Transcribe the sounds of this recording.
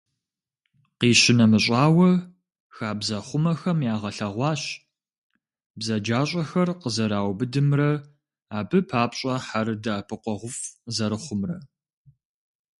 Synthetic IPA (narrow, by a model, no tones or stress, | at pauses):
qiːɕɪnɐmɨɕʼaːwɐ | xaːbzɐχʷʊmɐxɐmjaːʁɐɬɐʁʷɑːɕ | bzɐd͡ʒaːɕʼɐxɐrqəzɐɾaːwbɨdɨmrɐ | aːbɨpʰaːpɕʼɐħaɾɨdaːpʰɨqʷɔʁʷʊfzɐɾɨχʷʊmrɐ